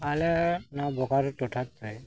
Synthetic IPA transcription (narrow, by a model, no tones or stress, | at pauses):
alɛnabɔkaɾtɔʈʰat̪ɾɛ